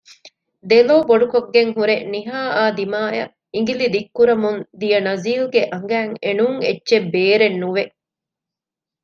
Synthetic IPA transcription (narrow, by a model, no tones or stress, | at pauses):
d̪eloːboɖukoɡːeŋɦuɾeniɦaːaːd̪imaːjɐ̰ | iŋɡilid̪ikːuɾɐmund̪ijɐnɐziːlɡeʔɐŋɡæːŋenuŋetːʃebeːɾenːuʋe